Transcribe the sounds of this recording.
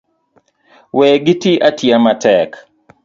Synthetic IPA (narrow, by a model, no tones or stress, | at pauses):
wɛɡɪtiʔatiamatɛk